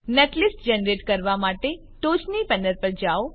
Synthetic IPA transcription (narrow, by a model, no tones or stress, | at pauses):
neʈlisʈd͡ʒənəɾeʈkəɾʋamaʈe | ʈot͡ʃnipənəɾpəɾd͡ʒao